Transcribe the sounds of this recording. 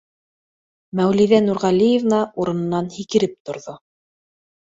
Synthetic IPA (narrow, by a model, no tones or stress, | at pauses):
mæwliðænuɾʁɑlʲijevnɑuɾɤ̆nɤ̆nːɑnhikɘ̆ɾɘp̚t̪ŏɾðo